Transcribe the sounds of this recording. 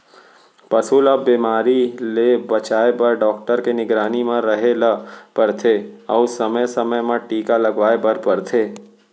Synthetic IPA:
pɐsuːlabiːmaːɾilebɐt͡ʃaːebɐɾɖɔːkʈəɾkenɪɡɾaːnimãɾɐɦeləpɐɾt̪ʰeɔːsɐməjsɐməjmãʈiːkalɐɡʋaːebɐɾpɐɾt̪ʰeː

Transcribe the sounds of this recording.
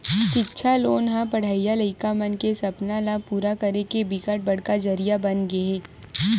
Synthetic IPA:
ʃɪtːʃʰaloːnɦãpɐɽ̤aːijalɐɪkamɐnkesɐpnalapuːɾakɐɾekebɪkəʈ̚bɐɽ̤kad͡ʒɐɾijabɐnɡeeː

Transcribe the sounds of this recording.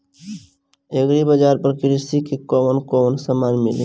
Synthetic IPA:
eɡɾibəd͡ʒaːɾpəɾkɪɾist̪ikekɔːmənkɔːmənsəmaːnmɪlḛ

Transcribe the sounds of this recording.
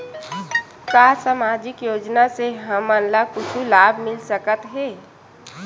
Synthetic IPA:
kasamad͡ʒɪkjoːd͡ʒnaseɦəmanlakʊt͡ʃʰulaːbʱmɪlsəkət̪ɦɛː

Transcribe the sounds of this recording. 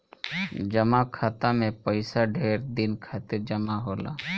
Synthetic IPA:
d͡ʒəmakʰaːt̪amẽpəɪsaɖʱeːɾd̪ɪnkʰaːt̪ɪɾd͡ʒəmaɦoːla̰ː

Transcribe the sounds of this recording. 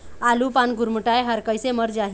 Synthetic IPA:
alupanɡuɾməʈajɦəɾkəjseməɾd͡zaɦ

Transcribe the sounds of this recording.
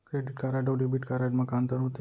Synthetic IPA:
kɾeɖiʈkaɾaɖəʋɖebiʈkaɾaɖmãkamt̪əɾũt̪e

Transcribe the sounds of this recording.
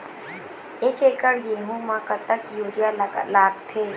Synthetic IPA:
eːkeːkəɽjeːɦũmãkət̪əkjuːɾjallaːɡt̪ʰeː

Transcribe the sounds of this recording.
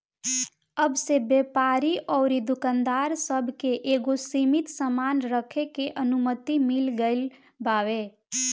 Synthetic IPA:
əbsebeːpaːɾiʔɔːɾid̪ʊkãnd̪aːɾsəbʱkeʔeːɡosiːmɪt̪səmaːnɾəkʰekeʔənʊmət̪imɪlɡəɪl | baːʋeː

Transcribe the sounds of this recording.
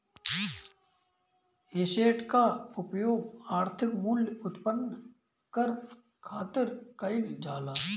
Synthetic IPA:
eseːʈʰkaʊpjoːɡaːɾt̪ʰɪkmuːlʊt̪pən | kəɾ | kʰaːt̪ɪɾkəɪld͡ʒaːlaː

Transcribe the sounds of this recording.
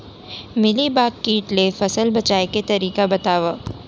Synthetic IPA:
mɪlibaːkːiːʈlefɐsəlbɐt͡ʃaːeket̪ɐɾiːkabɐt̪aːʋa

